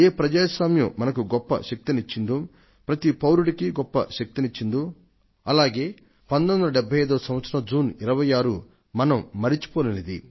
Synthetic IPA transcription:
eːpɾɐd͡ʒaːsaːmjɐmːɐnɐkuɡɔpːɐ̰ʃɐk̚t̪init͡ʃːind̪u | pɾɐt̪ipɐwɾuɽikiɡɔpːɐ̰ʃɐk̚t̪init͡ʃːind̪u | ɐlaːɡe̞ː | pɐnd̪ɐnd̪ɐlɐɖɛbʱːɐjɐjd̪oːsɐ̃mʋɐt̪sɐɾɐd͡ʒuːniɾɐʋɐjaːɾu | mɐnɐmːɐɾit͡ʃu̥poːlɐnid̪ḭ

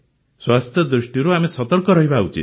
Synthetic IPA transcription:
swast̪ʰjɔd̪ɾisʈiɾuamisɔt̪ɔɾkɔɾʌɦibaːwt͡ʃʰḭ

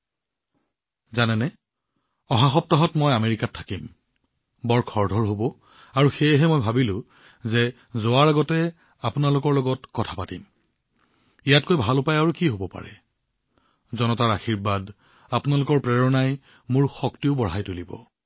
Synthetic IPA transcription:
zanɛnɛ | ɔɦaxɔp̚tɔɦɔtmɔjameɹikatʰːakim | bɔɹkʰɔɹdʱɔɹɦobɔ | aɹuxejɦɛmojbʱabilʊ̃ | zɛ | zoaɹaɡɔtɛ | apʊnalʊkɔɹlɔɡɔtkɔtʰḁpatim | ijat̚kojbʱalʊpajaɹukiɦobɔpa̰ɹɛ̰ | zɔnɔtaɹaxiɹbad | apʊnalʊkɔɹpɹɛɹɔnaj | mʊɹxɔktiʊbɔɹajtulibɔ̰

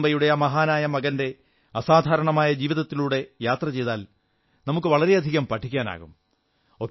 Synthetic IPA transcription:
bɐjuɽejaːmɐɦaːnaːjɐmɐɣɐnde̞ | ɐsaːd̪ʱaːɾɐɳɐmaːjɐd͡ʑiːʋiðɐt̪ːiluːɽe̞jaːt̪rɐt͡ɕe̞jðaːl | nɐmuk̬ːɨʋɐɭɐɾe̞ɐd̪ʱiɣɐmpɐʈʰːikʲːaːna̰ːɣṵm | o̞kː

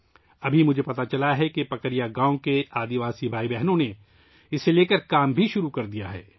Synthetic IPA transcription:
ɐbʱimʊd͡ʒʱepɐt̪at͡ʃɐlaɦɛkipɐkəɾijaɡãːõkeaːd̪iʋaːsibʱaːibɛɦnõne | ɪseleːkəɾkaːmbʱiʃʊɾukɐɾd̪ijaɦɛ̰ː

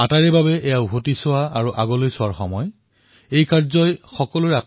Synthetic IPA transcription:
ataɹɛbabɛʔɛjaʊbʱotisʊwaaɹuʔaɡɔlojsʊwaɹxɔ̰mɔj | ejkaɹzɔjxɔkɔloɹa

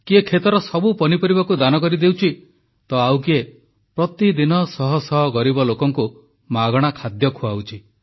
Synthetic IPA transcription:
kiekʰet̪ɔɾɔsɔbupɔnipɔɾibakud̪anɔkɔɾid̪ewt͡ʃʰi | t̪ɔawkie | pɾɔt̪id̪inɔsɔɦɔsɔɦɔɡɔɾibɔlokɔŋku | maɡɔɽ̃akʰad̪jɔkʰuawt͡ʃʰi

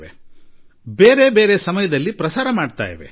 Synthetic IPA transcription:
ʋḛ | be̞ːɾe̞be̞ːɾesɐmɐjɐd̪ɐlːipɾɐsaːɾɐmaːɖt̪a̰ːjiʋḛ

